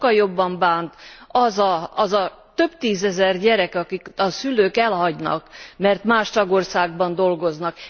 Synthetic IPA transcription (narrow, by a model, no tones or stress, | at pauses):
ɒljo̞bːɒmbaːnt̪ɒzɒɒzɒ | t̪ø̞bt̪iːzɛzɛrɟɛɾɛkɒkikɒsyløːkɛlɦɒɟnɒ̰kmɛrt̪maːʃt̪ɒɡo̞rsaːɡbɒnd̪o̞lɡo̞znɒk